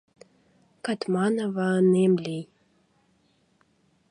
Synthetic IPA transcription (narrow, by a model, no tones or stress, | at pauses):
kɑt̪mɑnə̆vɑənemlej